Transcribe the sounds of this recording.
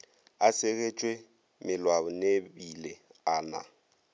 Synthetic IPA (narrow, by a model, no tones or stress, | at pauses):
aseɣet͡ʃʼwe | mɪlwabʊnebileaːna̰